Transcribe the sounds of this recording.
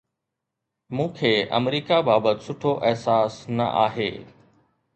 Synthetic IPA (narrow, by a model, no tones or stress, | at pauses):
mũːkʰeːʔɐ̰mɾiːkabaːbət̪sʊʈʰoʔɐɦsaːsnɐ̰ʔa̰ːɦḛː